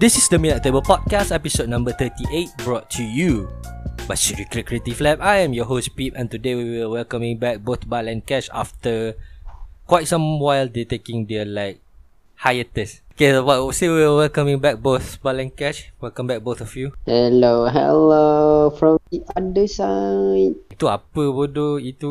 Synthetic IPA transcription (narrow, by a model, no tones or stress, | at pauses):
disisdəmĩnat̪ebəlpɔd̚kastɛpisod̚nãmbət̪ətiʔet̚bɹɔtʰːuju | batʃut̚ɹikɹikɹietiflɛp̚ajɛ̃mjɔɦospipɛ̃ntudewiwəwɛlkãmĩŋbɛk̚boθbalɛ̃nkɛʃa̰ftə | kwaɪtsãmwaɪldɛtekĩŋdɛlaɪk̚ | hajətɛsokesowasewiiəwɛlkamĩŋbɛk̚boθbalɛ̃nkɛʃwɛlkə̃mbɛk̚boθɔfjuhɛloɦɛ̰lofɹɔ̃mdiʔadəsat̚tua̰pəbodoitu